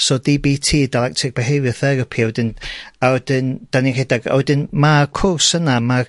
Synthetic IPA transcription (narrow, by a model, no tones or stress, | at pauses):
sɔdibitʰiːdalˠɛk̚tʰɪk̚b̥ɛɦevjɔθɛɾɔpʰiɔwdɨnaɔd̥ɪnd̥aniredaɡɔ̰jdɨnmarkʰʊrsənama